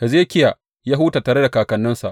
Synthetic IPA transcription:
ʔa˨zeː˦kʲɪ˦ja˨ | ja˦ɦuː˦ta˨taː˨ɽe˦da˨kaː˨kɐ˨nːʊ˦nsa˨ʔ

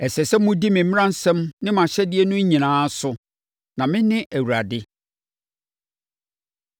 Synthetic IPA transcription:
ɛ˨sɛ˨sɛ˦mʊ̃˦di˦mɪ̃˨m˦ɪ̃˦ã˦n̩˦sɛ̃˦mnɪ̃˦mã˨ɕɛ˦dɪ˦e˦nʊ̃˦ɲĩ˨nãː˦sʊ˦ | nã˨mɪ̃˦nɪ̃˦ʔæ˨wu˨ɾa˨dɪ˦

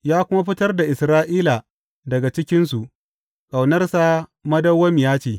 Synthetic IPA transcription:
jaː˦kʷʊ˦ma˦ɸɪ˦tɐ˦rda˨ʔɪ˨sɾaː˦ʔiː˦la˨ | dɐ˨ɡa˨t͡ʃɪ˦kʲɪ˦nsu˨ʔ | kʼa˨wnɐ˦rsa˨mɐ˦dɐ˦wːɐ˦mjaː˦t͡ʃeː˨

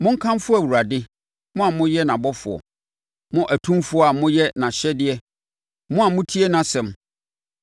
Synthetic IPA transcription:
mʊ̃˦ŋ̩˦kʰã˦mfʊ˦æ˨wu˨a˨dɪ˦ | mʊ̃˦a˨mʊ̃˦jɛ˦nã˨bɔ˦fʊ˨ɔ̰˨ | mʊ̃˦ʔæ˨tʰũ˦mfʊ˦ɔ˦a˨mʊ̃˦jɛ˦nã˨ɕɛ˦dɪ˨˦ɛ˦ | mʊ̃˦a˨mʊ̃˦tʰi˦e˦nã˨sɛ̃˨m

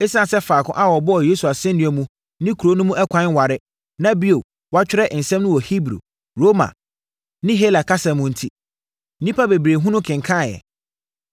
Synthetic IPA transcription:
e˦sã˦˨sɛ˦faː˨kʰʊ̰̃˦ʔa˦wɔ˨bɔ˦ɔ˨je˦su˨a˨sɛ̃˦n˦nĩ˦ɛ˨mũ˦ | nɪ̃˦kʰu˨ɾo˦nʊ̃˦mũ˦ʔɛ˦kʷʰã˨˦n˦wa˨ɾɪ˦ | nã˦bi˦o˨ | wa˦t͡ɕᶣɪ˦ɾɛ˦ʔn̩˨sɛ̃˦mnʊ̃˦wɔ˨hi˦bɾṵ˨ | ɾo˦mã̰˨ | nɪ̃˦ɦe˦la˨kʰa˦sã˨mʊ̃˦n̩˨tʰi˦ | n̩˦nĩ˦pʰa˦be˨bɾe˨ɦũ˦nʊ̃˦kʰɪ̃˨ŋkʰã˦˨jɛ̰˨

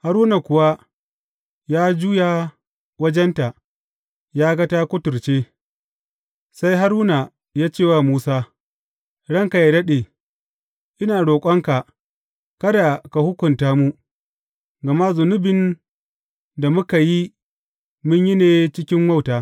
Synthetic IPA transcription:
ha˦ɾuː˦na˨kʷʊ˨wa˦ | jaː˦d͡ʒuː˦jaː˨ | wɐ˦d͡ʒɛ˦nta˨ʔ | jaː˦ɡɐ˦taː˦kʷʊ˦tʊ˨ɾt͡ʃeː˦ | sa˦jɦa˦ɾuː˦na˨ | jaː˦t͡ʃeː˦˨waː˦˨muː˦saː˦ | ɽɐ˦ŋka˨ja˨dɐ˦ɗeː˨ | ʔɪ˦naː˨ɽoː˨kʷʼɐ˦ŋka˨ | kɐ˦da˨ka˨hʊ˦kʷʊ˨ntaː˦mu˦ | ɡɐ˨ma˦zʊ˨nʊ˦bɪ˨n | da˨mʊ˦ka˨ji˦ | mʊ˦ɲji˦neː˨t͡ʃɪ˦kʲɪ˦mma˦˨wtaː˨

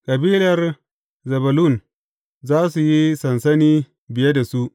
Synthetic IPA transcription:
kʼɐ˨biː˦lɐ˨r | zɐ˨bɐ˨lu˦˨n | zaː˦su˨ji˦sɐ˨nsɐ˦niː˦ | bɪ˨je˦da˨su˦ʔ

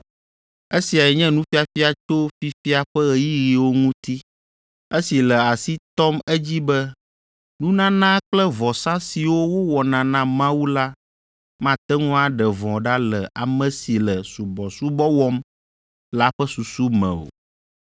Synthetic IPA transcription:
e˦si˨a˨jɛ˨ɲɛ̃˦nũ˦fi˦a˨fi˦a˨t̪o˦fi˦fi˦a˨ɸɛ˦ɣɛ˨ji˦ɣi˨wo˦ŋũ˦t̪i˦ | e˦si˨lɛ˨a˨si˦t̪ɔ˦mɛ˦d͡ʑi˦bɛ˦ | nũ˦nã˦nã˦k͡plɛ˦vɔ˨sã˦si˨wo˦wo˦wɔ˨nã˨nã˦mã˦wu˦la˦ | mã˦t̪ɛ˦ŋũ˦a˨ɖɛ˨vɔ̃˨ɖa˦lɛ˨ʔa˨mɛ̃˨si˨lɛ˨su˨bɔ˨su˦bɔ˦wɔ˦m | la˦ɸɛ˦su˨su˦mɛ̰̃˨o̰˨

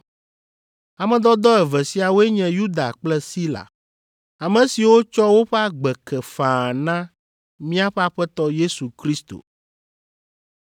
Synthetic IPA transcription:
a˨mɛ̃˨d̪ɔ˦d̪ɔ˦ɛ˨vɛ˨si˦a˨wo˦e˦ɲɛ̃˨ju˦d̪a̰˨k͡plɛ˦si˦la̰˨ | a˨mɛ̃˨si˨wo˦t͡ʃɔ˦wo˦ɸɛ˦a˦ɡ͡bɛ˨kɛ˨fã˨nã˦ | mĩ˦a˦ɸɛ˦a˨ɸɛ˦t̪ɔ˦je˦su˨kɾi˦st̪o̰˨

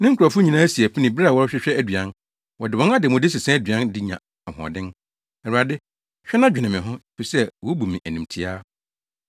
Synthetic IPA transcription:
nɪ̃˦ŋ̩˦kʰɾa˨fʊ˦ɲĩ˨nã˦æ˦si˨æ˨pi˦nĩ˨bɾwɔ˦ɕᶣɪ˦ɕᶣɛ˦æ˦dɥã˦n | wɔ˨dɪ˨wɔ̃˦na˦dɪ˨mʊ̃˨dɪ˦sɪ˨sɛ̃˦dɥã˦ndɪ˦ɲã̰˨ | ɔ˨hɔ̰̃˨dɪ̃˦n | ɛ˨ɾu˨a˨dɪ˦ | ɕᶣɛ˦nã˦d͡ʑᶣɪ˨nɪ̃˨mɪ̃˨ɦʊ̃˦e˨fi˨sɛ˦wɔ˨˦bu˨mĩ˨ʔæ˨nĩ˨mtʰi˨aː˦

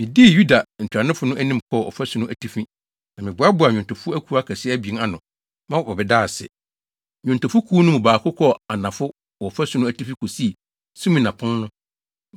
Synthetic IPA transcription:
mɪ̃˨di˦˨ju˦da˨n̩˨tʰᶣɾa˨nɪ̃˦fʊ˦nʊ̃˦ʔæ˦nĩ˦m̩˨kʰɔ˦˨ɔ̰˨fæ˦su˦nʊ̃˦ʔæ˨tʰi˦fi˦ | nã˨mɪ̃˨bʊ˨a˦bʊ˨a˨ɲᶣʊ̃˨n˨tʰʊ˨fʊ˦æ˦kʰu˨˦a˦kʰæ˨sɪ˦æ˦bi˨e˦a˨nʊ̃˨ | mã˦ɔ˨bɔ˨bɛ˨daː˦˨sɪ̰˨ | ɲᶣʊ̃˨ntʊ˨fʊ˦kʰuː˦nʊ̃˦mũ˨baː˨kʰʊ˦kʰɔ˦a˨nã˨fʊ˦ | ɔ˨fæ˦su˦nʊ̃˦æ˨tʰi˦fi˦kʰo˨si˦˨ | sũ˦mĩ˨nã˨pʰʊ̃˦nnʊ̃˦

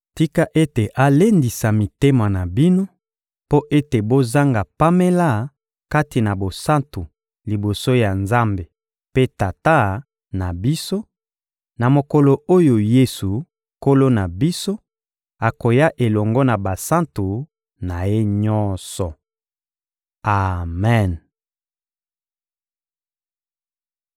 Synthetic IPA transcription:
ti˦ka˦ʔe˦te˨ʔa˨le˦ndi˨sa˨mi˨te˦ma˨na˨bi˦no˦ | po˦ʔe˦te˨bo˦za˦ŋɡa˨pa˦me˦la˦˨ | ka˦ti˨na˨bo˨sa˦ntu˨ | li˨bo˨so˦ja˨nza˦mbe˨ | pe˦ta˨ta˦ | na˨bi˦so˦ | na˨mo˨kɔ˨lo˨o˦jo˨je˦su˨ | ko˦lo˦na˨bi˦so˦ | a˨ko˨ja˦ʔe˨lɔ˨ŋɡɔ˦na˨ba˨sa˦ntu˨ | na˨je˦ɲɔ˦sɔ˨ | a˨mɛ˦˨n

